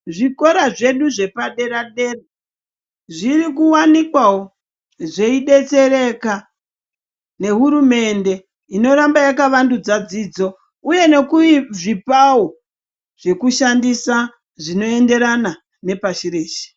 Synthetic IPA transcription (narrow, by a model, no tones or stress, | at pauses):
ʐiko̞ɾaʐe̞ɗuʐe̞paɗe̞ɾaɗe̞re | ʐirik̬uwanikwawo | ʐe̞iɗe̞t͡se̞ɾe̞ka | ne̞ɦuɾume̞nde̞ | ino̞ɾambajakaʋandud͡zad͡ziːd͡zo̞ | uje̞ne̞kuiʐipawo̞ | ʐ̥e̞kuʃandisa | ʐino̞e̞nde̞ɾana | ne̞paʃiɾeːʃe̥